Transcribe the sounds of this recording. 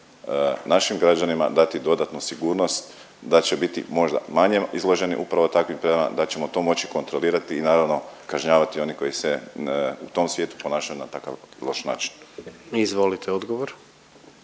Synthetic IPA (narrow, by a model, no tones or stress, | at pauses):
naʃimɡɾad͡ʑanima̰d̪at̪id̪o̞d̪at̪nusiɡuːɾno̞st̪ | d̪at͡ɕe̞bit̪ḭmo̞ʒd̪a̰maɲeizlˠo̞ʒe̞nḭʔupɾaʋo̞t̪akʋimpɾed̪ama̰d̪at͡ɕe̞mo̞t̪o̞ːmo̞t͡ɕi̥ko̞nt̪ɾo̞liːɾat̪iːnaːɾaʋno̞kaʒɲaːʋat̪io̞niko̞jiseut̪o̞msʋjeːt̪u̥po̞naːʃajunat̪aka̰ʋloʃna̰ːt͡ʃi̥nizʋolit̪eod̪ɡoʋoɾ